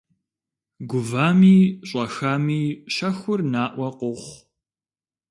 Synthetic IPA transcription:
ɡʷʊvaːmiːɕʼɐxamiːʃɐxʷʊrnaːʔʷɐqʷʊχʷ

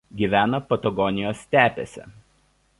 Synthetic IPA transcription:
ɡʲiˑʋʲæːnɐpɐt̪ɐɡɔnʲɪjoːsʲt̪ʲæːpʲɛ̰sʲɛ̰

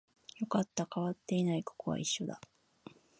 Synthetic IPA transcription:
jo̞kat̪ːakaβat̪ːe̞inaiko̥koβa̰iɕːo̞d̪a̰

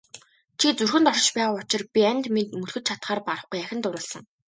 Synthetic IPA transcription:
t͡ɕʰit͡surxɘ̆nt̪ɔʃə̆t͡ɕpæːʁaːʊt͡ɕɪ̆rpʲiænʲt̪met̪mɵɮxɵ̆t̪̚t͡ɕʰat̪χaːrpaɾə̆χɡujæxʲɪ̆nt̪ʊɾʊ̆ːɮsə̆ŋ

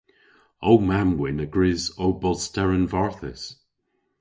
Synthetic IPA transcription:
owmamwɪnəɡ̥ɹɪzowbɔlˠstɛɹənvaɹθə̰s

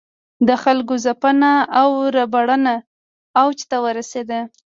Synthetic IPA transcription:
d̪əxalkozapənaːwɾabaɽənaː | wt͡ʃt̪awəɾased̪ə

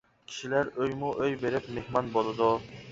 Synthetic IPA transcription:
kʲʰi̥ʃilæɾøjmuʔøjbeɾɪpmehmɑnbolˠɨd̪ʊ

